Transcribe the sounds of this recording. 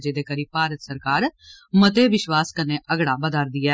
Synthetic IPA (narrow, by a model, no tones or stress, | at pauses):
d͡ʒeːd̪eːkəɾiːpaːɾət̪səɾkaːɾmət̪eːʋɪʃʋaːskəneːʔəɡɽaːbəd̪aːɾd̪ɪːɛː